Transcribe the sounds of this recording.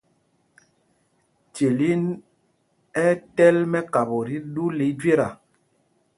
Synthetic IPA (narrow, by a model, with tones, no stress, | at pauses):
t͡ʃe˨li˦n | ɛ˦tɛ˦lmɛ˦ka˨bo˨ɾi˦ɗu˦li˨˦d͡ʒwe˦ɾa˨